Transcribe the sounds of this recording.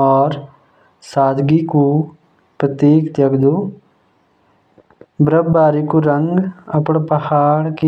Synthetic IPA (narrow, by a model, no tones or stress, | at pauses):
ɔːɾ | saːd̪ɡiku | pɾət̪iːkt̪jɐɡd̪u | bɾəbbaːɾikuɾəŋɡɐpɳpəhaːɽki